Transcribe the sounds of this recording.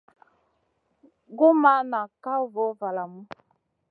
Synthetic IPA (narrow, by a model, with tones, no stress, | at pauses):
ɡu˦ma˦na˨ka˦vo˨˦va˨la˨mu˦